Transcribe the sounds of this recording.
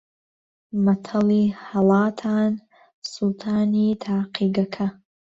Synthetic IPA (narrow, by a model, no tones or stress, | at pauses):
mɐtʰɐlihɐlɑːtʰaːn | sulˠt̪ʰaːniːtʰaːqʰiːɡɐkʰɐ